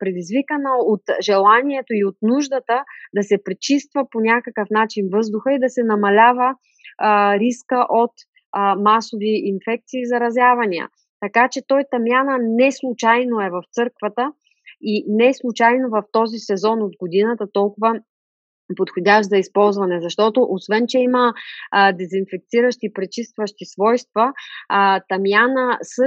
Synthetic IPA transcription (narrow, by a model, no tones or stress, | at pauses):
pɾɛd̪izvikənəot̪ʒɛlˠaniɛt̪oiot̪̚nuʒd̪ət̪əd̪ɐsɛpɾit͡ʃist̪vəponʲakəkəfnat͡ʃinvɤzd̪ʊxəid̪ɐsɛnɐmɐlʲavə | ɾiskəʔot̪ | masoviʔinfɛk̚t̪siːzɐɾɐzʲjavɐnʲiə̰ | t̪ɐkat͡ʃɛt̪ɔjt̪ɐmʲjanənɛslˠut͡ʃajnoɛvɐft̪sɤɾkvət̪ə | inɛslˠut͡ʃajnovɐft̪ɔzisɛzɔnod̪ɡod̪inət̪ət̪ɔlˠkʊvə | pot̪xodʲaʃzɐispɔlˠzvɐnɛzɐʃt̪ɔt̪oʔosvɛnt͡ʃɛiməd̪ɛzinfɛk̚t̪siɾəʃt̪ipɾɛt͡ʃist̪vəʃt̪isvɔjst̪vɐ | t̪ɐmjanəsɤ